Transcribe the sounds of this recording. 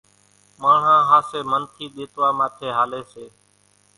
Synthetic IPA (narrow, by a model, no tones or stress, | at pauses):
maːɳ̤ãːɦaːseːmənt̪ʰiːɗ̪eːt̪ʋaːmaːt̪ʰeːɦaːleːseː